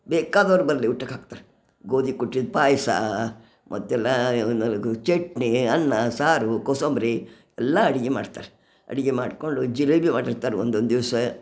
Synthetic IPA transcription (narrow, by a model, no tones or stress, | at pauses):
bɛːkaːd̪ɐʋɐɾbɐɾliuʈːɐkaːɡ̚t̪aːɾɛ | ɡoːd̪ikuʈːid̪̚paːjsa̰ | mʔɐ̰t̪ːɛlːa | t͡ʃeʈniɐnːɐsaːɾukosombɾi | ɛlːɐɐɽiɡɛma̰ːɽt̪aːɾɛ | ɐ̰ɽiɡɛmaːɽkoɳɖud͡ʒilɐbimaːɽiɾt̪aːɾɛond̪ond̪iʋɐsɐe